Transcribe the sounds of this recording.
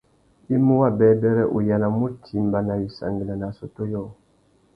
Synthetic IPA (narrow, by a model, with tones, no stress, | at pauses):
i˦mu˦wa˦˨bɛ˦dɛ˦ɾɛ˦ʔu˨ja˨la˨mu˦tʰi˨˦m˦ba˨na˨ji˨sa̰˨ŋɡi˨la˨na˨so˨to˦jɔ˦˨